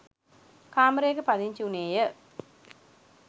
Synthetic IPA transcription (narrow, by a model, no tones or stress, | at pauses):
kaːməɾeːkəpad̪iɲt͡ʃiuneːjə